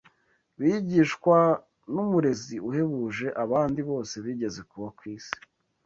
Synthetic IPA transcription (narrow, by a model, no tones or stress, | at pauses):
βiɟiːʃkwa | numuɾe̞ziuhe̞βuːʒe̞ʔaβaːndiβo̞ːse̞βiːɟe̞ze̞kuβakwiːsi̥